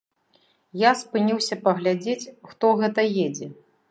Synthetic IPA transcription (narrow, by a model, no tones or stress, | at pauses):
jaspɨnʲiwsʲɐpɐɣlʲad͡zʲet͡sʲxt̪ɔɣɛt̪ɐjed͡zʲɛ